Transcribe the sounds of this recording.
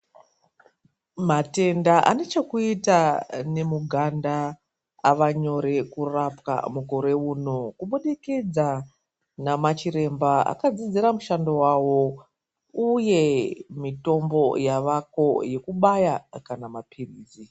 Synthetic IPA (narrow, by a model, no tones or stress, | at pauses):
mate̞ndaʔa̰ne̞t͡ʃe̞kuitane̞muɡʱandaː | ʋaɲo̞ɾe̞kurapka̰muko̞ɾe̞uno̞kuɓuɗikid͡za | namat͡ʃiɾe̞mbaa̰kad͡zid͡ziɾamuʃandowawo̞ | uje̞mito̞mbo̞jaʋako̞je̞kuɓajakanamapʰiriːzi